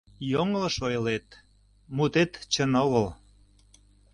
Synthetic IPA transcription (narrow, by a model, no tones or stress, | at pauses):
joŋlə̆ʃojlet̪ | mut̪et̪t͡ɕənoɣəl